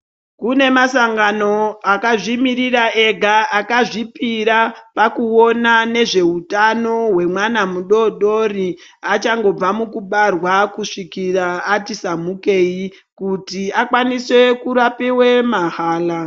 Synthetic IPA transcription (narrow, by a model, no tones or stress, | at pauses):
kune̞masaŋɡano̞akaʐimiɾirae̞ɡʱaakaʐipiɾapakuo̞nane̞ʐe̞utano̞ɦwe̞mwanamuɗo̞ɗo̞ri | at͡ʃaŋɡo̞b͡vamukuɓarwakuʂikiraːtisamuke̞i | kutiakwaniswe̞kuɾapiwe̞maɦaːla